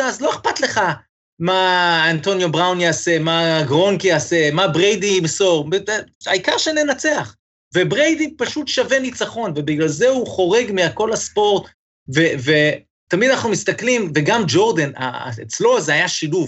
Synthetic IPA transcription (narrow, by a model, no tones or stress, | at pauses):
azlo̞eχpat̪le̞χa | maant̪o̞njo̞bʁawnjaːse̞maɡʁo̞nkiase̞mabʁejd̪iimso̞ʁeaikaʁʃene̞nat͡seaχ | vebʁejd̪ipaʃut̪ʃave̞nit͡saχo̞nve̞biɡlalzeuχo̞ʁe̞ɡmiako̞laspo̞ʁt̪ | veve | t̪amid̪anaχnumist̪aklimveɡamd͡ʒo̞ʁd̪ena̰et͡slo̞zeajaʃiluv